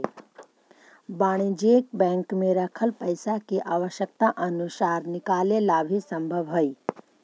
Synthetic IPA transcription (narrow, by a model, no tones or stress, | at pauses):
baːɽ̃id͡ʒeːk̚bɛ̃ŋkmẽɾɐkʰəlpəjsakiʔaːʋəʃjək̚t̪aʔɐnusaːɾnɪkaːlelabʱisəmbʱəʋɦoi